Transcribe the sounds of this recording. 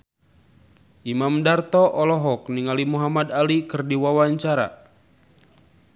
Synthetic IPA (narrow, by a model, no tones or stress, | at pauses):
ʔimamdart̪ɔʔɔlɔɦɔk̚niŋalimuɦamadalikɨrdiwawaɲt͡ʃaɾa̰